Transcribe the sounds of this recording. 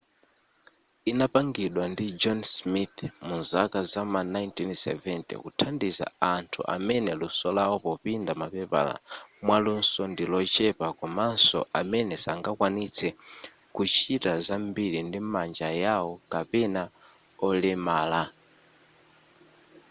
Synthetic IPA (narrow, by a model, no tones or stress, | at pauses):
inapaŋɡiɗwandid͡ʒɔnsmit̪munzakazamanajntinsɛ̰vɛntɛ̰kutʰandiza̰antʰṵʔa̰mɛnɛlusɔlawɔpɔpindamapɛpa̰la̰mwalunsɔndilɔt͡ʃɛpakɔmansɔ̰ʔamɛnɛsaŋɡakwanit͡sʰɛ | kut͡ʃʰitazambiɾindimand͡ʒajawɔkapɛna | ɔlɛmaːla